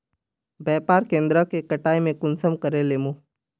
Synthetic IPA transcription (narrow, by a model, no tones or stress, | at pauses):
bɛːpaːɾkẽːnd̪ɾəkekɐʈaːimẽkʊnsəmkəɾeleːmoː